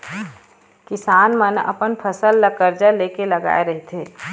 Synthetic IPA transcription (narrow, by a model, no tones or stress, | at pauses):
kɪsaːnmənɐ̰pənpʰəsəlːɐkəɾd͡ʒəleːkelɐɡa̰ːeɾɐɦet̪ʰeː